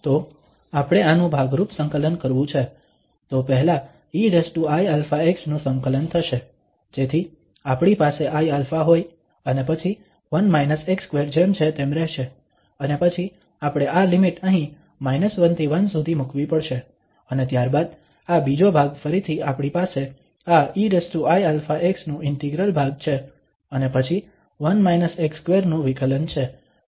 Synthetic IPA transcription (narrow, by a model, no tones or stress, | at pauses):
t̪o | apɽ̃eanũbʱaɡɾupsə̃ŋkələnkəɾʋũt͡ʃʰe | t̪opəɦla | iɾesʈuajalfaeksnũsəŋkələnt̪ʰəʃe | d͡ʒet̪ʰi | apɽ̃ipaseʔajalfaɦoj | ənepət͡ʃʰi | ʋənmajnəsekskʋeɾd͡ʒemt͡ʃʰet̪emɾɛɦʃe | ənepət͡ʃʰi | apɽ̃eʔalimiʈnəɦĩ | majnəsʋənt̪ʰiʋənsud̪ʱimukʰʋĩpəɽʃe | ənet̪jaɾbad̪ | abid͡ʒobʱaɡfəɾit̪ʰiapɽ̃ipase | aiɾesʈ̪uajalfaʔeksnũʔɪɳʈiɡɾəlbʱaɡ̚t͡ʃʰe | ənepət͡ʃʰi | ʋənmajnəsekskʋeɾnũʋikələnt͡ʃʰe